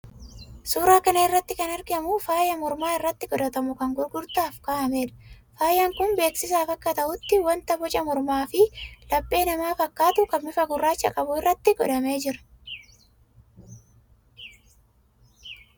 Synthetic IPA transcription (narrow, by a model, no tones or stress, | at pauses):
suːɾaːkɐnɐɪrːɐt̪ːɪkɐnɐɾɡɪɐmʊfaːjɐmɔɾmaːɪrːɐt̪ːɪɡɔᶑ̪ɐt̪ɐmʊkɐŋɡʊɾɡʊɾt̪aːfkaːʔɐme̞ːᶑ̪ɐ̥ | faːjɐŋkʊnbe̞ːksɪsaːfɐkːɐt̪ɐʔʊt̪ːɪwɐnt̪ɐbɔt͡ʃʼɐmɔɾmaːfɪlɐpʼːe̞ːnɐmaːfɐkːaːt̪ʊkʼɐbmɪfɐɡʊrːaːt͡ʃːɐkʼɐbʊɪrːɐt̪ːɪɡɔ̰d̪ɐme̞ːd͡ʒɪɾɐ̥